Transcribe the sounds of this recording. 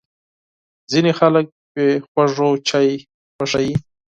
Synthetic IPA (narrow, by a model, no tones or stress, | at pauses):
zinexalək̚pexwaʐot͡ʃaj | xwaʂaji